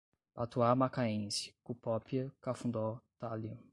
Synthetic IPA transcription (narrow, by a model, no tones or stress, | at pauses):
pat̪uamakaẽsɪ̥kupɔpiɐkafũnd̪ɔt̪aliũ